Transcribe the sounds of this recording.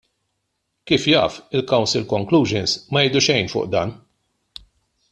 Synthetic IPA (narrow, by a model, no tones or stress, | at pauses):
kiːfjɐ̰ːfɪlkɐwnsɪlkɔŋkluːʒɛnsmɐjɛjd̪uʃɛjnfʊ̰ːʔd̪ɐ̰ːn